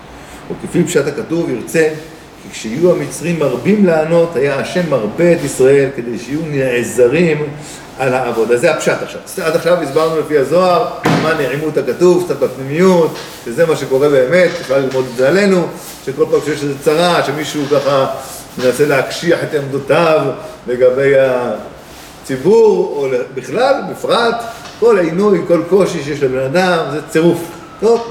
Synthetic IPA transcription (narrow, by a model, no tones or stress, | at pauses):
ukefipʃat̪hakatuviʁt͡se̞ | kikʃehijuamit͡sʁimːaʁbimleano̞t̪hajaːʃe̞mːaʁbe̞ːt̪isʁae̞lke̞d̪e̞jʃeijuneʕezaʁim | alaːvo̞d̪azehapʃat̪aχʃa̰vad̪aχʃavisbaʁnulefiazo̞aʁamaneʕimuet̪hakatuvsafbapnimijut̪ | ʃezemaʃe̞ko̞ʁe̞leeme̞t̪̚biχlalːilmo̞d̪bale̞nu | ʃeko̞lpaːmʃejeʃezet͡saʁaʃe̞miʃukaχa | menase̞leakʃiaħet̪aamd̪ut̪avle̞ɡabe̞ja | t͡sibuʁolebiχlalmifʁatko̞lʕinujko̞lko̞ʃiʃejeʃlebe̞nad̪amzet͡seʁuf | tov